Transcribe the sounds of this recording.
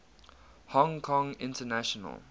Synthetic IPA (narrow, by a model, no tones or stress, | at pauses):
hɔ̃ŋkʰɔ̃ŋɪ̃ntənaʃɔnə̰lˠ